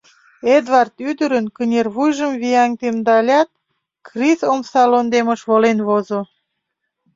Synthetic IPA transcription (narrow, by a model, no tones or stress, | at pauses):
ed̪vɑrt̪yd̪əɾənkənʲerβujʒəmviɑŋt̪emd̪ɑlʲɑt̪̚ | krisomsɑlond̪emə̆ʃβolenβozo